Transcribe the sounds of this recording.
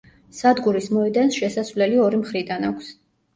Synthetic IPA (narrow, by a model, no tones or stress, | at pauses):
sad̪ɡuɾismɔɛd̪ansʃɛsasvlɛliɔɾimχɾid̪anakʷʰs